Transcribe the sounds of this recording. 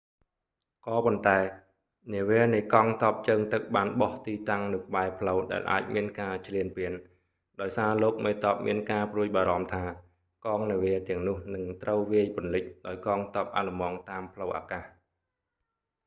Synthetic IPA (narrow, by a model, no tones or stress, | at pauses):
kɑːpont̪aɛ | niəʋiənɨjkɑːŋt̪ɑəp̚t͡ɕəːŋt̪ɨk̚ɓaːnɓɑht̪iːt̪aŋnɨwkə̆ɓaɛpʰləwɗa̰ɛlʔa̰ːc̚miənkaːt͡ɕʰliənpiən | ɗaɔjsaːloːk̚meːt̪oəp̚miənkaːpruəc̚ɓaːɾɑmt̪ʰaː | kɑːŋniəʋiət̪ɛ̆əŋnʊ̆əhnɨŋt̪rəwʋiəjpʊ̆nlɨc̚ɗaɔjkɑːŋt̪op̚ʔa̰lumɑːŋt̪aːmpʰləwʔa̰ːkaːh